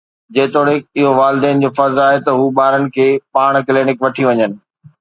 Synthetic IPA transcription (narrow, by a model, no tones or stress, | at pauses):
d͡ʑɐːt̪oːɽɪɪɦoʋaːlɪd̪ɛːnɪ̆d͡ʑoːfɐɾzaːɦet̪ɐɦuːɓaːɾənɪ̆kʰeːpaːɽ̃kleːnɪkʋɐʈʰiʋɐɲənɪ̆